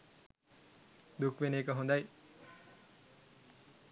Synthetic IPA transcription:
d̪ukʋeneːkəɦõnd̪aj

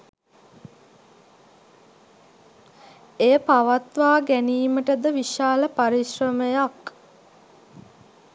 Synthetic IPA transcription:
ejəpaʋat̪ʋaːɡæniːməʈəd̪əʋiʃaːləpaɾiʃrəməjak

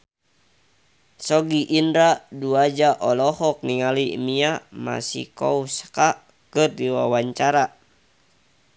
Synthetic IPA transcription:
sɔɡiʔːndɾaduad͡ʒaʔɔlɔhɔk̚niŋalḭmiama̰sḭkɔuska | kɨrdiwawaɲt͡ʃaɾa

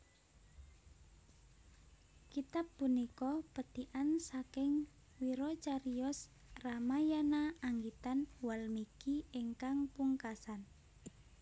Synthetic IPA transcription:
kit̪ap̚ːunikɔpəd̪̥iʔansakɪŋ | wiɾɔt͡ʃaɾiɔs | ramajanaaŋɡit̪anwalmikiɪŋkaŋpuŋkasan

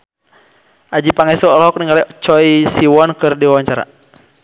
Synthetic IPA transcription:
ʔad͡ʒipaŋɛsɔɔlɦɔk̚niŋɡalɛt͡ʃɔisiwɔnkɨrdiwawaɲt͡ʃaɾa̰

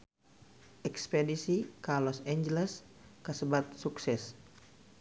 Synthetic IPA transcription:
ʔɛkspedisikarlɔsɛɲd͡ʒəlɛs | kəsəbat̪̚suksɛs

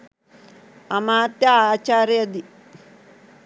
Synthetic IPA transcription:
ɐmaːt̪jaaːt͡ʃaːɾjɐd̪i

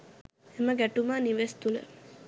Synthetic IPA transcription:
eməɡæʈumaːniʋest̪ulə̰

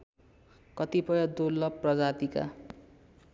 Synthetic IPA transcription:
kʌt̪ipʌjʌd̪olːʌprʌd͡zat̪ika̰

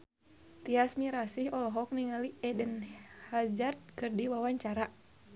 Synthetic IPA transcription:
t̪iasmiɾasihɔlɔɦɔk̚niŋaliɛdənhad͡ʒart̪̚kɨrdiwawaɲt͡ʃaɾa

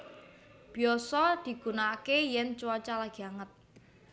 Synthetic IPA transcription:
b̥i̤ɔsɔd̪̥i̤ɡ̥unakejɛnt͡ʃuwat͡ʃalaɡ̥iaŋət̪̚

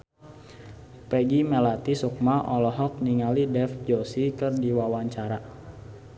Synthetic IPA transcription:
pɛɡimɛlat̪isuk̚maʔɔlɔɦɔk̚niŋalidɛfd͡ʒosikɨrdiwawaɲt͡ʃaɾa

